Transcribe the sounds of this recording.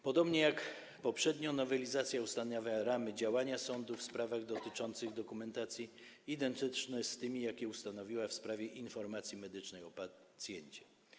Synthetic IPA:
pɔd̪ɔbɲɛjak | pɔpʂɛd̪ɲɔnɔvɛlʲizat̪sʲjaust̪aɲavaɾamɘd͡ʑawaɲasɔnd̪ufspɾavaɣd̪ɔt̪ɘt͡ʂɔnt̪sɘɣd̪ɔkumɛnt̪at̪sʲji | id̪ɛnt̪ɘt͡ʂnɛst̪ɘmʲijakʲɛust̪anɔvʲiwafspɾavʲjɛʔinfɔɾmat̪sʲjimɛd̪ɘt͡ʂnɛjɔpat̪sʲjɛɲt͡ɕɛ̥

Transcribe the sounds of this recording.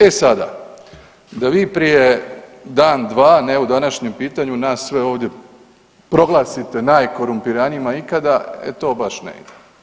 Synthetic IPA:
e̞sad̪a̰ | d̪aʋiːpɾije̞d̪aːnd̪ʋaːne̞ud̪anaʃɲempiːt̪aɲunaːsːʋe̞o̞ːʋd̪je̞ | pɾo̞ɡlˠaːsit̪e̞najko̞ɾumpiɾaniimaikad̪aḛt̪o̞ːbaʃnḛḭd̪e

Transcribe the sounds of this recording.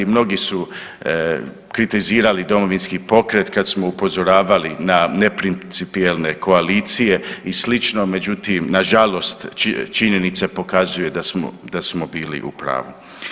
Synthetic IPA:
mno̞ɡisu | kɾit̪iziːɾalid̪o̞mo̞ʋinskipo̞kɾe̞t̪kad̪smo̞upo̞zo̞ɾaːʋalinane̞pɾinsipielˠne̞kʰo̞aliːt̪sije̞islit͡ʃno̞me̞d͡ʒut̪imnaʒalo̞st̪t͡ʃiɲe̞nit̪sepo̞kazuje̞d̪asmo̰d̪asmo̞biːlḭʔṵpɾa̰ːʋu

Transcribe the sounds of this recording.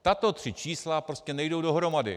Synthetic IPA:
t̪at̪o̞t̪r̝̥ɪt͡ʃiːslapɾo̞scɛnɛjdo̞wdo̞ɦɾomadɪ̰

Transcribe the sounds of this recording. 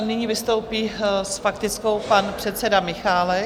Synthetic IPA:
nɪɲivɪst̪owpiːsfakt̪ɪt͡sko̞wpanpr̝̥ɛt̪sɛdamɪxaːlɛ

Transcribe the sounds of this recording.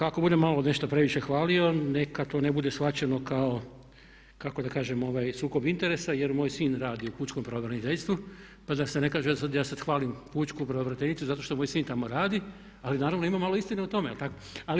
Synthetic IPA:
ako̞bud̪emalo̞ne̞ʃt̪opɾe̞ʋiʃe̞xʋaːlio̞nekat̪o̞ːnebud̪e̞sfat͡ɕe̞no̞kao̞ | kako̞d̪akaːʒemo̞ʋaːjsuːko̞bint̪e̞ɾe̞saje̞ɾmoːjsiːnɾaːd̪iupuːt͡ʃkompɾaoʋɾanit̪eʎʲst̪ʋu | pad̪ase̞ne̞kaːʒeasad̪jaːsad̪xʋaːlimpuːt͡ʃkupɾaoʋɾat̪enit̪suzat̪oʃt̪omojsiːnt̪amo̞ɾaːd̪i | alinaːɾaʋno̞imamalo̞ist̪ineut̪o̞mejelt̪akoali

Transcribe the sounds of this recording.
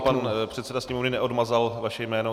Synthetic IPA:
panpr̝̥ɛt̪sɛdasɲɛmovnɪnɛʔodmazalvaʃɛjmɛːno

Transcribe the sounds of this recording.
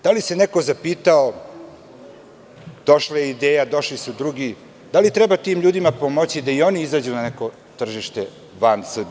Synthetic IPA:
d̪̥alise̞neko̞zapiːt̪ao | d̪̥o̞ʃlajeid̪eːjad̪o̞ʃlisud̪ɾuɡi | d̪alit̪ɾɛbat̪iːmʎuːd̪imapomot͡ɕid̪aio̞niizaːd͡ʑunaneko̞ | t̪r̩ʒiʃt̪e̞ | ʋansr̩b

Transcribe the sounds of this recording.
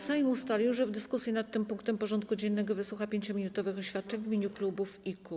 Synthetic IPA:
saimust̪alʲiwʐɛvd̪ɘskusʲjinat̪ːɘmpuŋkt̪ɛmpɔʐɔnt̪kud͡ʑɛnːɛɡɔvɘswuxapʲjeɲt͡ɕɔmʲinut̪ɔvɘxɔɕfʲat̪̚t͡ʂɛɲvmʲiɲuklubufiku

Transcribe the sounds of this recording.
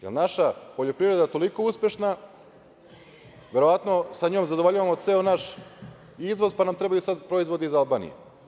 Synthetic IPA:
jḛlnaʃapoʎo̞pɾiʋɾe̞d̪at̪o̞liko̞uspʲje̞ʃna | ʋʲjeɾo̞ʋat̪no̞saɲoːmzad̪ooʎaʋamot̪seːonaʃ | izʋo̞zpanamt̪ɾebajusad̪pɾo̞izvʋo̞d̪eizalbaːnḭjḛ

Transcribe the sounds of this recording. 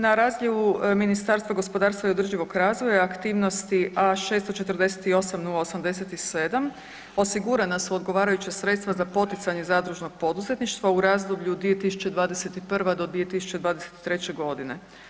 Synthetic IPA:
naɾaːzʎeʋuminist̪aɾst̪ʋaɡo̞spo̞d̪aːɾst̪vaiod̪r̩ʒiʋo̞ɡɾaːzʋojaːkt̪iːʋno̞st̪iʔaʃe̞ːst̪o̞t͡ʃe̞t̪r̩d̪e̞set̪io̞samnulaosamd̪e̞se̞t̪ise̞d̪am | o̞siɡuɾanasuo̞d̪ɡo̞ʋaːɾajut͡ɕasɾe̞t̪st̪ʋazapo̞t̪it̪saɲe̞zad̪ɾuʒno̞ɡ̚po̞d̪uze̞t̪niʃt̪ʋauɾaːzd̪obʎud̪ʋie̞t̪isu̥t͡ɕe̞d̪ʋaːd̪e̞se̞t̪ipr̩ʋad̪o̞d̪ʋie̞t̪isu̥t͡ɕe̞d̪ʋaːd̪ese̥t̪i̥t̪ɾe̞t͡ɕe̞ɡo̞d̪ine̞

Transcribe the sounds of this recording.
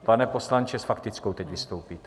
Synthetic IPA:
panɛpo̞slant͡ʃɛsfakt̪ɪt͡skowt̪ɛcvɪst̪owpiːt̪

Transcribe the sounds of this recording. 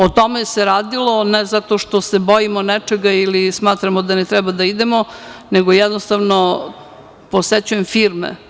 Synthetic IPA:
ot̪omeseɾaːd̪ilˠo̞nezat̪oʃt̪osebojimonɛt͡ʂeɡailismaːt̪ɾamod̪anet̪ɾɛbad̪aid̪emoneɡojɛd̪nost̪aʋno | poset͡ɕujemfiːɾmḛ

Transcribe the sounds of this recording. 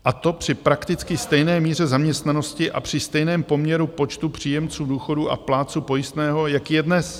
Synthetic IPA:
ʔat̪o̞pr̝̥ɪpɾakt̪ɪt͡skɪst̪ɛjnɛːmiːr̝ɛzamɲɛst̪nano̞scɪʔa̰pr̝̥ɪst̪ɛjnɛːmpo̞mɲɛɾupo̞t͡ʃt̪upr̝̥iːjɛmt͡suːduːxo̞duːʔa̰plaːt͡supo̞jɪst̪nɛːɦo̞jakijɛdnɛs

